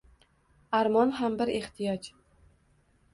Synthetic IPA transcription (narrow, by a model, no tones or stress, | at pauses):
aɾmɒnɦambɪɾeht̪ʰijɒd͡ʒ